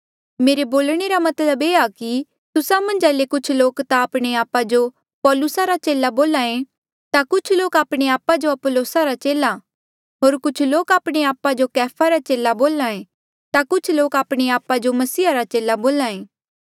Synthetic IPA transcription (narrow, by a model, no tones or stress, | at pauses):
meːɾeboːlɽ̃eɾamɐt̪ləbeːaki | t̪ʊsamɐ̃nd͡ʒɛːlekʊt͡ʃʰloːkt̪aːpɽ̃eaːpad͡ʒo | pɔːlʊsaɾat͡ʃeːlaboːlaːẽ | t̪akʊt͡ʃʰloːkaːpɽ̃eaːpad͡ʒoɐpoloːsaɾat͡ʃeːla | ɦoːɾkʊt͡ʃʰloːkaːpɽ̃eaːpad͡ʒokɛːpʰaɾat͡ʃeːlaboːlaːẽ | t̪akʊt͡ʃʰloːkaːpɽ̃eaːpad͡ʒomɐsiːaɾat͡ʃeːlaboːlaːẽː